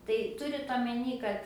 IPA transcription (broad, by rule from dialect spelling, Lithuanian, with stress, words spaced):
tɐɪ ˈtʊrʲɪt oːmʲɛˈnʲiː kɐt